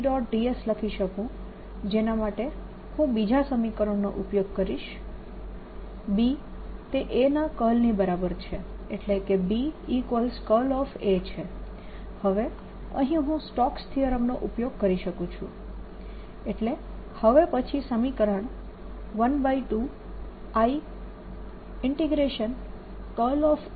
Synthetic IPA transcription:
ɖɔʈɖiesləkʰiʃəkũ | d͡ʒenamaʈe | hũbid͡ʒʱasəmikəɾəɳno̰ʔupjoɡ̚kəɾiʃ | bi | t̪eʔenakəlnibəɾabəɾt͡ʃʰe | eʈlekebiːkʋəlskəlɔfet͡ʃʰe | həʋe | ə̰̃ɦĩɦũsʈɔkst̪ʰiəɾəmnoʔupjoɡ̚kəɾiʃəkũt͡ʃʰũ | eʈle | həʋepət͡ʃʰisəmikəɾəɳ̃ | ʋənbaiʈu | ai | ɪɳʈeɡɾeʃən | kəlɔf

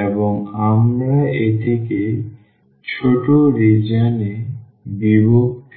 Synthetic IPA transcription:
eboŋamɾaet̪ʰeke | t͡ɕʰoʈoɾid͡ʑane | bibok̚t̪ʰ

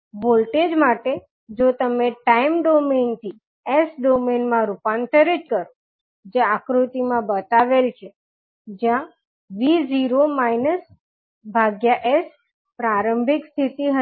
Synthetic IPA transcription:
bolʈed͡ʒmaʈe | d͡ʒot̪əmeʈaimɖoment̪ʰi | esɖomenmãɾupant̪əɾed͡ʒkəɾo | d͡ʒeakɾut̪imãbət̪aʋelt͡ʃʰe | d͡ʒjã | ʋiziɾomajnəs | bʱaɡjaʔes | pɾaɾəmbʱɪkst̪ʰit̪iɦə

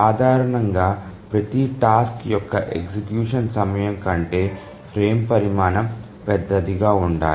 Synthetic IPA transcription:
aːd̪ʱaːɾɐɳɐŋɡaːpɾɐt̪iʈaːskjɔkːɐʔeksikjuːʂɐnsɐmɐjɐŋkɐɳʈe̞ː | pʰɾeːmpɐɾimaːnɐm | pɛd̪ːɐd̪iɡaːuɳɖa̰ː

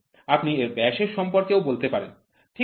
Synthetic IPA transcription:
apnieɾbɛʃeɾʃɔmpoɾkeobolt̪epaɾen | ʈʰi

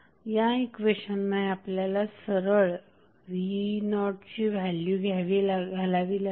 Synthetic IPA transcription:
jaekʋeɕənːajapljalasəɾəɭ | ʋinɔʈt͡ɕiːʋʱælːjuɡʱaʋilaɡʱalaʋila

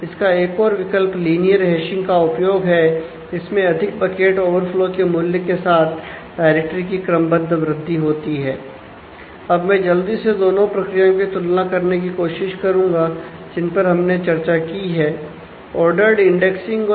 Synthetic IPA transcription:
ɪskaeːkɔːɾʋɪkəlpliːnijəɾɦɛːʃɪ̃ŋɡkaʊpjoːɡɦɛ | d͡ʒɪsmẽɐd̪ʱɪk̚bɐkeːʈoːʋəɾfloːkemʊːljəkesaːt̪ʰɖaːɪɾek̚ʈɾikikɾəmbə̃nd̪ʱʋɾɪd̪ʱːiɦoːt̪iɦɛː | ɐbmɛ̃ːd͡ʒɐld̪ised̪oːnõpɾɐkɾijãkit̪ʊlnakɐɾnek̬ikoːʃɪʃkɐɾũːŋɡa | d͡ʒɪnpɐɾɦɐmnet͡ʃɐɾt͡ʃakiɦɛː | ɔːɾɖəɾɖɪ̃ɳɖeksɪ̃ŋ

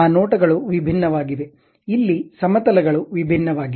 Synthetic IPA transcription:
aːnoːʈɐɡɐɭuʋibʱinːɐʋaːɡiʋe | ilːisɐmɐt̪ɐlɐɡɐɭuʋibʱinːɐʋaːɡi

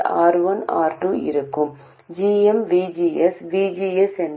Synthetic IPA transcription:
a̰ːɾʋɐna̰ːɾʈuːɪ̰ɾɯkːɯm | d͡ʒiːɛmʋiːd͡ʒiːɛsʋiːd͡ʒiːɛsɛn

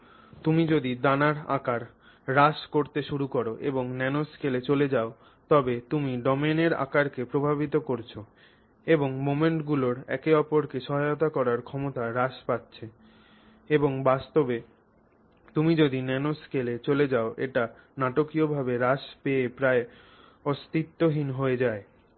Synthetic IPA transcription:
t̪umid͡ʑod̪id̪anaɾa̰kaɾː | aʃkoɾt̪eʃuɾukoɾoʔḛboŋnɛnoskelet͡ɕoled͡ʑao | t̪ɔbet̪umiɖɔmeneɾa̰kaɾkepɾobʱabit̪okoɾt͡ɕʰo | eboŋmomeɳʈɡuloɾɛ̰keɔpoɾkeʃɔɦajot̪̬akɔɾaɾkʰɔmot̪aɾaʃpat̪ːɕʰe | eboŋbast̪obe | t̪umid͡ʑod̪inɛnoskelet͡ɕoled͡ʑaoʔḛʈa | naʈokiobʱabeɾaʃpeepɾae | ɔst̪it̪ːoɦinɦoed͡ʑae

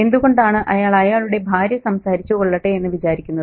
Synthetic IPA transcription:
e̞nd̪uɣo̞ɳɖaːɳɨʔɐjaːɭɐjaːɭuɽe̞bʱaːɾjɐsɐmsaːɾit͡ɕːuoɭːɐʈːeenːɨʋit͡ɕaːɾikʲːunːɐð

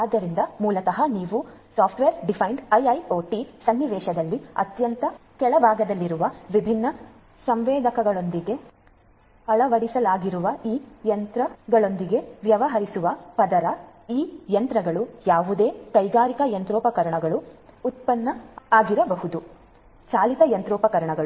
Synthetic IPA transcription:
aːd̪ːɐɾind̪ɐmuːlɐt̪ɐɦɐniːʋusaːpʰʈʋeːɾɖipʰɐjɳɖɐjɐjoːʈisɐnːiʋɛːʃɐd̪ɐlːiɐ̰t̪jɐnt̪ɐkɛɭɐbʱaːɡɐd̪ɐlːiɾuʋɐʋibʱinːɐ | sɐmʋeːd̪ɐkɐɡɐɭo̞nd̪iɡe̞ | ɐɭɐʋɐɽisɐlaːɡiɾuʋɐiːjɐnt̪ɾɐɡɐɭo̞nd̪iɡe̞ʋjɐʋɐɦɐɾisuʋɐpɐd̪ɐɾɐiːjɐnt̪ɾɐɡɐɭujaːʋud̪e̞ːkɐjɡaːɾikɐjɐnt̪ɾɔːpɐkɐɾɐɳɐɡɐɭuut̪̚pɐnːɐaːɡiɾɐbɐɦud̪u | t͡ʃaːlik̪ɐjɐnt̪ɾɔːpɐkɐɾɐɳɐɡɐɭ

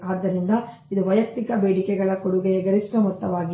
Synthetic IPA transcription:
aːd̪ːɐɾind̪ɐ | id̪uʋɐjɐk̚t̪ikɐbeːɽikɛɡɐɭɐkoɽuɡeɡɐɾiʂʈɐmut̪ːɐʋaːɡi

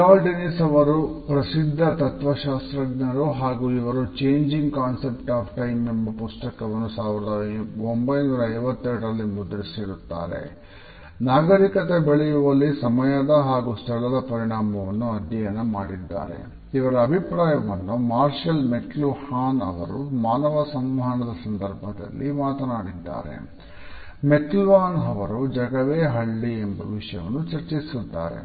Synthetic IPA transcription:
aːlɖinisɐʋɐɾupɾɐsid̪ʱːɐt̪ɐt̪ʋɐʃaːst̪ɾɐɡnɐɾuɦaːɡuːiʋɐɾut͡ʃeːɲd͡ʒiŋɡkaːnsepʈaːpʰʈɐjmembɐpust̪ɐkɐʋɐnːusaːʋiɾɐd̪ɐombɐjnuːɾɐɐɾʋɐt̪ːɛɾɽɐɾɐlːimud̪ɾisiɽut̪ːa̰ːɾḛ | naːɡɐɾikɐt̪ebeɭɛjuʋɐlːisɐmɐjad̪ɐɦaːɡust̪ʰɐɭɐd̪ɐpɐɾiɳaːmɐʋɐnːuɐd̪ʱjɐjɐnɐmaːɽid̪ːa̰ːɾḛ | iʋɐɾɐːbʱipɾaːjɐʋɐnːumaːɾʂɐlmeʈluhaːnɐ̰ʋɐ̰ɾumaːnɐʋɐsɐmʋɐɦɐnɐd̪ɐsɐnd̪ɐɾbʱɐd̪ɐ̰lːimaːt̪ɐnaːɽid̪ːa̰ːɾe̞̰ | metʈlʋaːnɐʋɐɾud͡ʒɐɡɐʋeːɦɐɭːiembɐʋiʂɐjɐ̰ʋɐ̰nːut͡ʃɐɾt͡ʃisud̪ːa̰ːɾe̞̰

